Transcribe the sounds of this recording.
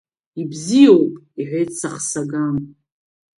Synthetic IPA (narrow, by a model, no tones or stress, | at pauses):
ibzijowpʼ | iħʷejtsaχsaɡam